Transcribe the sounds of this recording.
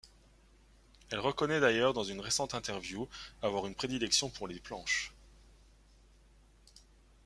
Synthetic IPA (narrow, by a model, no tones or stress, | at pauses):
ɛlʁəkɔnɛd̪ajœʁd̪ɑ̃zynʁesɑ̃t̪ɛ̃t̪ɛʁvjuavwaʁynpχed̪ilɛksjɔ̃puʁleplɑ̃ʃ